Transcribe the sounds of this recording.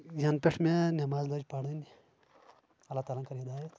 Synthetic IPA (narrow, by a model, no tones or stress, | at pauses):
jɐnpeʈʰmenɐmaːzləd͡ʒpaɽɐnʲi | ɐlaːt̪aːlankɐɾid̪aːjet̪